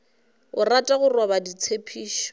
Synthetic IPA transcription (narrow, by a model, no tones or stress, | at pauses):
ʊratʼaɣʊrwabadit͡sʰepʰiːʃɔ̥